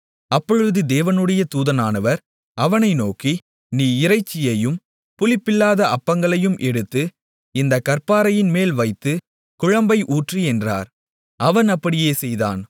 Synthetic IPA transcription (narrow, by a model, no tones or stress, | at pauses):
ɐpːɔɻɯðɯd̪eːʋɐnɯɽɐjɐt̪uːðɐnaːnɐʋɐɾ | ɐʋɐnɐɪnoːki | niːɪɾɐɪt͡ʃːɪjɐjɯm | pʊlɪpːɪlːaːðɐʔɐpːɐŋɡɐɭɐjɯmʔɛɽɯt̪ːɯ | ɪnd̪ɐkːɐɾpaːɾɐjɪnmeːlʋɐɪt̪ːɯ | kʊɻɐmbɐɪʔuːʈriɛndra̰ːɾ | ɐʋɐnɐpːɐɽɪjeːsɛjða̰ːn